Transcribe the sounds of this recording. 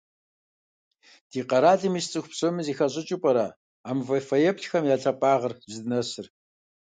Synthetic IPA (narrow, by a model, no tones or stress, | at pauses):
d̥iːqɐɾaːɮɨmist͡sʼɨxʷpɕɨmɨziːxɐɕʼɪt͡ʃʼɪpʼɐɾɐ̰ | aːmvɐfɐjɛpɬxɐmjaːɬʰɐpʼaːʁɐrzɨdɨnɐsɨr